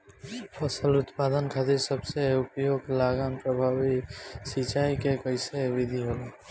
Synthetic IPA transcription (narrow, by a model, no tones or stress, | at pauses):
pəsəlʊt̪paːd̪ənkʰaːt̪ɪɾsəbseʊpjoːɡlaːɡanpɾəbʱaːʋisit͡ʃaːikekəɪseʋɪd̪ʱiɦoːlaː